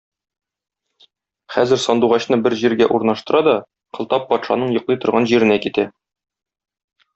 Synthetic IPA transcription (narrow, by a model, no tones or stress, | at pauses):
χæzɘ̆ɾsɒnd̪uʁɑɕn̪ɤbɘɾʑiɾɡæʔuɾnɑʃt̪ɤ̆ɾɑd̪ɒ | qɤ̆lˠt̪ɑpːɒt̪ʃɑ̰nɤɴjŏqlˠɤjt̪ŏɾʁɑnʑiɾɘ̆nækit̪æ